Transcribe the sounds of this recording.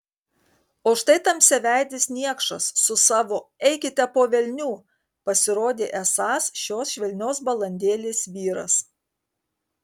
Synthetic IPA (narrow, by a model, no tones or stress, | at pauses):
oːʃt̪ɐɪt̪ɐmsʲɛʋʲæˑɪd̪ʲɪsʲnʲiɛkʃɐsːʊsɑːʋoːɛɪkʲɪt̪ʲɛpoːʋʲɛlʲnʲuː | pɐsʲɪɾoːd̪ʲeːʔɛsɑːsʃʲoːsʃʲʋʲɛlʲnʲoːs̬bɐlˠɐnʲd̪ʲeːlʲeːsʋʲiːɾɐ̰s